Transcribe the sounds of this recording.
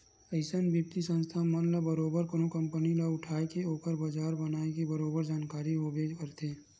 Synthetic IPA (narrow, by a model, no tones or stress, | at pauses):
əɪsənbjip̚t̪isə̃nst̪ʰamənləbəɾoːbəɾkonokə̃mpənilaʊʈʰaːekeoːkəɾbəd͡ʒaːɾbənaːekebəɾoːbəɾd͡ʒaːnkaːɾiɦobeːd͡ʒkəɾt̪ʰeː